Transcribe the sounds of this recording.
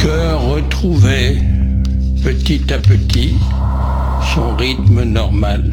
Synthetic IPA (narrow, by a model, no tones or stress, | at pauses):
kœ | ʁːət̪χuvɛ | pət̪it̪apət̪i | sɔ̃ʁit̪mənɔʁmal